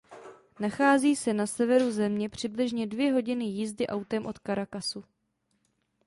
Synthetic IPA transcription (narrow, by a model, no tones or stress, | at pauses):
naxaːziːsɛnasɛvɛɾuzɛmɲɛpr̝̥ɪblɪʒɲɛdvjɛɦo̞ɟɪnɪjizdɪʔawt̪ɛmʔo̞t̪kaɾakasu